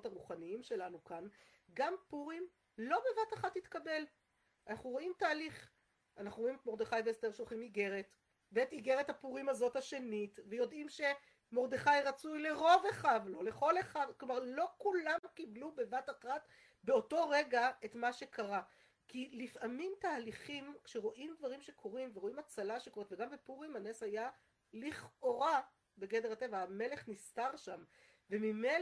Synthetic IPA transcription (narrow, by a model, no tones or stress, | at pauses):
otaʁuχaniimʃe̞lanukan | ɡampuʁim | lo̞be̞vataχathit̪kabe̞l | anaχnuʁo̞imtaːliχ | anaχnuʁoimetmo̞ʁd̪eχajveesteʃolχimiɡe̞ʁet | beetiɡeʁethapuʁimazo̞thaʃe̞nitvejo̞dʔimʃe̞ | mo̞ʁd̪eχajʁat͡sujle̞ʁo̞veχavlo̞leχo̞leχavklomaʁlo̞kulamkiblube̞vataχat | be̞o̞to̞ʁeɡae̞tmaʃekaʁa | kilifʔamimtaːliχimkʃeʁo̞ʔimdvaʁimʃe̞kʰo̞ʁimveʁo̞imat͡salaʃekoetveɡambepuʁimaneshaja | liχoʁa | be̞ɡedeate̞vaːme̞le̞χnistaʁʃam | vemime